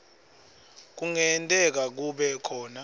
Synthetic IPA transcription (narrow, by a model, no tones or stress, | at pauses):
k̬uŋɛntʼɛk̬ak̬uɓɛkʰɔːna